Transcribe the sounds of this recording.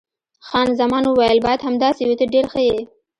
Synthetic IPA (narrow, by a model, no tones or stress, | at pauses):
xɑnzamɑnowajalbɑjad̪hamd̪ɑsewet̪əɖeɾxəje